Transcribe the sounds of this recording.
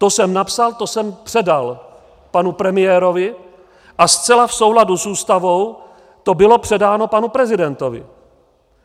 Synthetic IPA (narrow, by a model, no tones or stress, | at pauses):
t̪o̞sɛmnapsalt̪o̞sɛmpr̝̥ɛdal | panupɾɛmɪjɛːɾo̞vɪ | ʔast͡sɛlafso̞wɦladusuːst̪avo̞w | t̪o̞bɪlo̞pr̝̥ɛdaːno̞panupɾɛzɪdɛnt̪o̞vɪ̰